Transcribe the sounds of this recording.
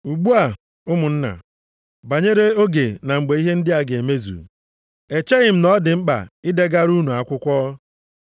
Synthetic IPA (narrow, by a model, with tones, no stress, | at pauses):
u˨ɡ͡bu˦a˨ | ʊ˦mʊ˨n̩˦na̰˨ | ba˨ɲe˦ɾe˦o˦ɡe˨na˨ŋ͡m̩˨ɡ͡be˨˦i˦ɦe˦n̩˦dɪ˦a˨ɡe˨me˦zṵ˨ | e˨t͡ʃe˦ɣɪ˨m̩˦nɔ˦dɪ˨ŋ͡m̩˦k͡pa̰˨i˦de˦ɡa˦ɾu˦nu˨a˨kʷʊ˦kʷɔː˦